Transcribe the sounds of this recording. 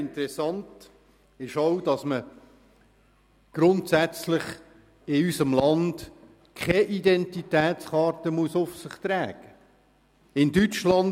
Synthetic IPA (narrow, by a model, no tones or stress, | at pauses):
ɪntəɾɛsɑnt | ɪʃoʊd̥ɑsmə | ɡ̥ɾʊntsæt͡slɪχ | ɪysəmlɑnd̥ | kʰɛʔidɛntitɛːtt͡sχɑːɾtəmuəsʊfsɪχt̪ɾɛːɡ̥ə | ɪndyt͡ʃlɑn